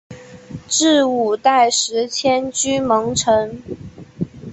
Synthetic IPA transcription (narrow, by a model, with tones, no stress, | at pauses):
ʈ͡ʂɻ̩˥˩u˨˩t̪a˥˩ɪʂɻ̩˧˥t͡ɕʰjɛ˥nt͡ɕy˥mɤ˧˥ŋʈ͡ʂʰɤ˧˥ŋ